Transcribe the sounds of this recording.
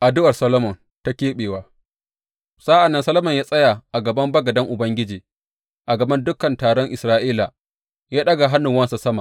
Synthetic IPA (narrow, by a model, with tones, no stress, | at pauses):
ʔa˨dʊ˦wɐ˨rsɐ˦lo˦mɔ˨n | ta˦kʲeː˦ɓeː˨waː˦ | sa˦ʔa˨nːɐ˦nsɐ˦lɐ˦mɐ˨ɲjaː˦sʼɐ˦ja˨ʔa˨ɡɐ˨bɐ˦mbɐ˦ɡɐ˨dɐ˦ŋʔʊ˨bɐ˦ŋɡʲɪ˦d͡ʒiː˨ | ʔa˨ɡɐ˨bɐ˦ndʊ˦kɐ˨ntaː˨ɽɔ˦ŋʔɪ˨sɾaː˦ʔiː˦la˨ | jaː˦ɗɐ˦ɡa˨ɦa˦nːʊ˨ŋwɐ˦nsa˨sɐ˦ma˨